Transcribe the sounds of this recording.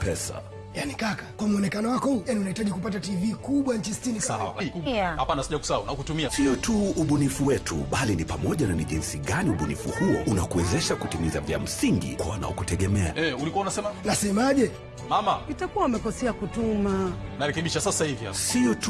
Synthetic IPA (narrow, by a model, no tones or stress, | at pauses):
pɛsa̰ | janikakḁkwamuɔnɛkanɔwakɔhujaniunahitaʄikupat̬ativikuɓwaɲ̩t͡ʃistinisawa̰lakuahapanasiʄaku̥saunakutumiasiɔtʰuuɓunifuwɛtʰuɓalinipamɔʄananiʄinsiɠaniuɓunḭfuhuɔunakuwɛzɛʃakutimizavia̰m̩siŋɡḭkwaana̰ɔkutɛɠɛmɛa̰ɛulikuaunasɛmanasɛmaʄɛ | mamaitakuwaumɛkɔsɛakutuma | naɾɛkɛɓiʃasasahivia̰siɔt